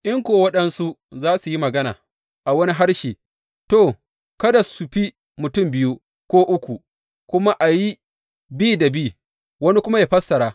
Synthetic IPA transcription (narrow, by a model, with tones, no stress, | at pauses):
ʔɪ˦ŋkʷoː˨wɐ˦ɗɐ˦nsu˦zaː˦su˨ji˦mɐ˨ɡɐ˦na̰ː˨ | ʔa˨wɐ˦ni˦ɦa˦ɽʃiː˨ | toː˦˨ | kɐ˦da˨su˨ɸi˦ | mʊ˨tʊ˦˨mbɪ˦ju˦ | kʷoː˦ʔʊ˦kʷu˨ | kʷʊ˦ma˦ʔa˨ji˦ | bi˦da˨biː˦˨ | wɐ˦ni˦kʷʊ˦ma˦jaː˨ɸɐ˦sːɐ˨ɾaː˦